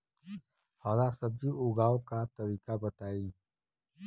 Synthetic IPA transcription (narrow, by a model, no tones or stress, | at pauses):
hɔːlasəb̚d͡ʒiʔʊɡaːwkat̪əɾiːkabət̪aːi